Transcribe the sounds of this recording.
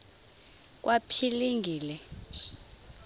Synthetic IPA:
k̬ʼwʔapʰiliŋɡʱiːlɛ

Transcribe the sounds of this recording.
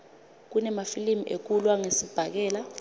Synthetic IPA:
k̬unɛmafilimiʔek̬ulwaŋesib̥ʱak̬ɛːla

